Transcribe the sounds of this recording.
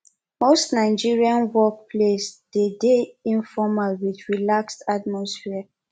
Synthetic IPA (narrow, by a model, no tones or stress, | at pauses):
mostnaɪd͡ʒiɹiãnwɔk̚pʰlesd̥edeĩnfɔmalwiθɹilakstat̚mɔsfia